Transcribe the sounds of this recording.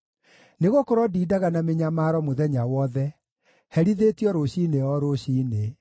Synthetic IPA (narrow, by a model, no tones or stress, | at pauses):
neɣokoɾɔdiːdaɣanameɲamaːɾɔmoðɛɲawɔðɛ | hɛɾiðetiɔɾoɕiːneɔɾoɕiːne